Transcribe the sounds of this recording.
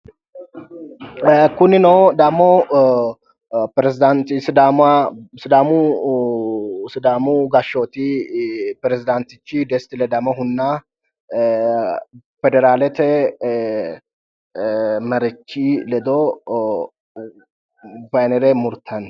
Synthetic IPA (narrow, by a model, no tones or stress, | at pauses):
kʊnːɪnod̪ɐmːɔ | pɾɛzɪd̪ant̪ɪsɪd̪amasɪd̪aːmu | sɪd̪aːmuɡɐʃːot̪i | pɾɛzɪd̪ant̪ɪt͡ʃːɪd̪ɛst̪ɪlɛd̪ɐmɔhʊnːa | fɛd̪ɛɾaːlɛt̪ɛ | mɐɾɛt͡ʃːilɛd̪o | vɐjnɛɾɛmʊɾt̪ʰɐn